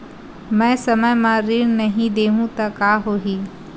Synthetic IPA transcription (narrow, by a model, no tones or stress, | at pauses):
mɛ̃ːsɐməjmãɾiːɾnɐɦĩd̪eːɦũt̪akaːɦoːɦiː